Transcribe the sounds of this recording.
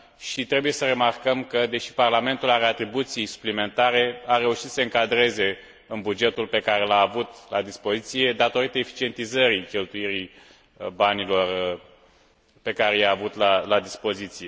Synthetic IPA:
ʃit̪ɾe̞buje̞səɾe̞markəmkəd̪e̞ʃi̥parlame̞nt̪ulaɾe̞at̪ɾibut̪sijsu̥plime̞nt̪aɾe̞aɾe̞uʃit̪sseɨŋkad̪ɾe̞ze̞ | ɨnbud͡ʒe̞t̪ulpe̞kaɾe̞laːvut̪lad̪ispo̞zit̪sije̞d̪at̪o̞ɾit̪əefi̥t͡ʃie̞nt̪izəɾikʲe̞lt̪ujiɾi | banilo̞r | pe̞kaɾe̞jaːvut̪lalad̪ispo̞zit̪sije̞

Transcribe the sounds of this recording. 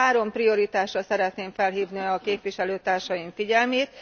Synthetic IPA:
aːɾo̞mprio̞ɾit̪aːʃrɒsɛɾɛt̪neːɱfɛlɦiːvniɒkeːpʋiʃɛløːt̪aːrʃɒjiɱfiɟɛlmeːt̪

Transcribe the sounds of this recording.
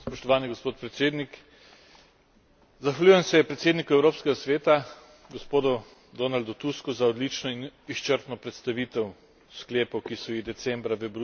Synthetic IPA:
spɔʃt̪ɔʋaːniɡospoːt̪̚pɾɛt̪seːd̪nik | zaxʋalʲujɛmsɛpɾɛt̪seːd̪nikuɛwɾoːpskɛɡasʋeːt̪a | ɡɔspoːd̪ɔ | d̪oːnald̪ɔt̪uskɔzaɔd̪lit͡ʃnɔiniʃt͡ʃəɾt̪nɔpɾɛt̪st̪aʋit̪ɛw | skleːpɔwkisɔid̪ɛt̪sɛmbɾaʋəbɾu

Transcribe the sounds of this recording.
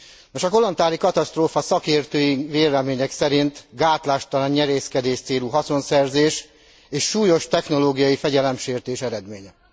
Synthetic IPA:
noʃɒko̞lo̞nt̪aːlikɒt̪ɒst̪roːfɒsɒkeːrt̪øːjiŋveːɾɛmeːɲɛksɛɾint̪ɡaːt̪laːʃt̪ɒlaɲɲɛɾeːskɛd̪eːʃt̪seːluɦɒso̞nsɛrzeːʃ | eːʃːuːjo̞ʃt̪ɛxno̞loːɡijɒjifɛɟɛlɛmʃeːrt̪eːʃɛɾɛd̪meːɲɛ

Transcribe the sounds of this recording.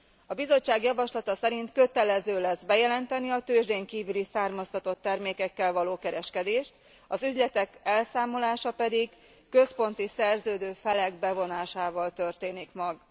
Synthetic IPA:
ɒbizo̞t͡ʃːaːɡjɒvɒʃlɒt̪ɒsɛɾint̪kø̞t̪ɛlɛzøːlɛzbɛjɛlɛnt̪ɛniɒt̪øːʒd̪eːŋkiːvylisaːrmɒst̪ɒt̪o̞t̪ːɛrmeːkɛkːɛlvɒloːkɛɾɛʃkɛd̪eːʃt̪ | ɒzyɟlɛt̪ɛkɛlsaːmo̞laːʃɒpɛd̪iɡ | kø̞spo̞nt̪isɛrzøːd̪øːfɛlɛɡ̚bɛvo̞naːʃaːvɒlt̪ø̞rt̪eːnikmɒɡ

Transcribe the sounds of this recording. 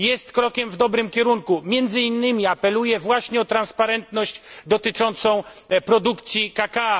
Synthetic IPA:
jɛst̪kɾɔkʲɛmvd̪ɔbɾɘmkʲɛɾuŋkumʲjɛnd̪zɘinːɘmʲiapɛlujɛvwaɕɲɛɔt̪ɾanspaɾɛnt̪nɔɕd͡ʑd̪ɔt̪ɘt͡ʂɔnt̪sɔ̃w̃pɾɔd̪ukt̪sʲjikaka

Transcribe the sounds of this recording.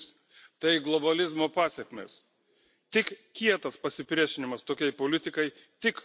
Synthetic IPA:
s | t̪ɐɪɡlˠobɐlʲɪzmoːpɑːsʲɛkmʲḛːs | t̪ʲɪkkʲiɛt̪ɐspɐsʲɪpʲɾʲiɛʃʲɪnʲɪmɐst̪oːkʲɛɪpoːlʲɪt̪ʲɪkɐɪ | t̪ʲɪk

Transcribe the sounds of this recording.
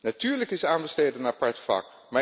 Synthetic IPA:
natyːɹləkɪsaːnbəstejdənapɑɹtfɑ̰k | ma

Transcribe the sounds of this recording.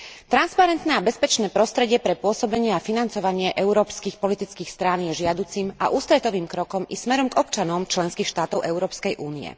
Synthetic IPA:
t̪ɾanspaɾɛnt̪nɛːabɛspɛt͡ʃnɛːpɾɔst̪ɾɛɟɪɛpɾɛpʊɔsɔbɛɲɪɛafinant͡sɔʋaɲɪɛʔɛuɾɔːpskiːxpɔlit̪it͡skiːxst̪ɾanjɛʒɪad̪ut͡sima̰ʔuːst̪ɾɛt̪ɔʋiːmkɾɔkɔmismɛɾɔmɡɔpt͡ʃanɔmt͡ʃlɛnskiːxʃt̪aːt̪ɔʊʔɛʊɾɔːpskɛjʔuːniɛ̰

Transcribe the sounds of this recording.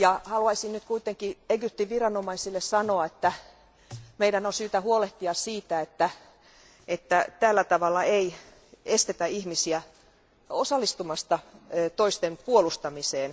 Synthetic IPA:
jɑhɑluɑisinnyt̪kuit̪eŋkieɡyp̚t̪iʋʋirɑnomɑisilːessɑnoɑet̪ːæ | meiɾænonsyːt̪æhuoleht̪iɑssiːt̪æet̪ːæ | et̪ːæt̪ælːæt̪ɑʋɑlːɑei | est̪et̪æihmisiæ | osɑlːist̪umɑst̪ɑt̪oist̪empuolust̪ɑmiseːn

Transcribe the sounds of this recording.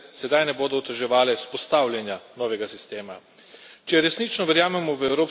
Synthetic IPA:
sɛd̪ajnɛboːd̪ɔːt̪ɛʒɛʋaːlɛspɔst̪awljanjanɔːʋɛɡasist̪eːma̰ | t͡ʃɛɾɛsniːt͡ʃnɔʋɛɾjaːmɛmɔʋəɛwɾoːp

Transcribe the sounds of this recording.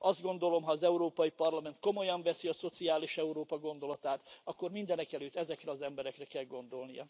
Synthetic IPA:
ɒzd̪̚ɡo̞nd̪o̞lo̞mɦɒːzɛuɾoːpɒjipɒrlɒmɛnt̪̚ko̞mo̞jɒɱvɛsiɒso̞t̪siaːliʃɛuɾoːpɒɡo̞nd̪o̞lɒt̪aːt̪ɒkːo̞rmind̪ɛnɛkɛløːt̪ːɛzɛkrɛɒzɛmbɛɾɛkrɛkɛlɡo̞nd̪o̞lnijɒ̰

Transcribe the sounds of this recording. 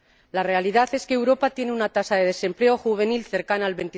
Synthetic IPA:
lare̞aliðaθe̞skeːwɾo̞pat̪je̞nunat̪asað̞e̞ðe̞se̞mple̞o̞xuβ̞e̞nilθe̞ɾkanaalβe̞nt̪i

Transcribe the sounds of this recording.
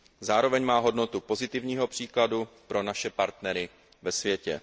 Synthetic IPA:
zaːɾo̞vɛɲmaːɦo̞dno̞t̪upo̞zɪt̪ɪvɲiːɦo̞pr̝̥iːkladupɾo̞naʃɛpaɾt̪nɛɾɪ | vɛsvjɛcɛ̰

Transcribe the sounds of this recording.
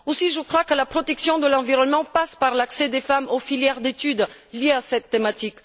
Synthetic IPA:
osiʒəkχwakəlapχɔt̪ɛksjɔ̃d̪əlɑ̃viʁɔnmɑ̃paspaʁlaksed̪efamofiljɛʁd̪et̪yd̪ljeasɛt̪ːemat̪ik

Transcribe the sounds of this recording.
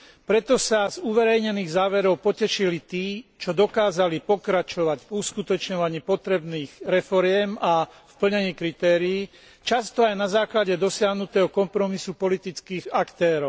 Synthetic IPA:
pɾɛt̪ɔsazuʋɛɾɛjɲɛniːɣzaːʋɛɾɔʊpɔcɛʃilit̪iːt͡ʃɔd̪ɔkaːzalipɔkɾat͡ʃɔʋaɟvuskut̪ɔt͡ʃɲɔʋaɲiːpɔt̪ɾɛbniːɣɾɛfɔɾɪɛmafpl̩ɲɛɲiːkɾit̪ɛːɾiː | t͡ʃast̪ɔajnazaːklaɟɛd̪ɔsɪaɦnut̪ɛːɦɔkɔmpɾɔmisupɔlit̪it͡skiːɣakt̪ɛːɾɔʊ

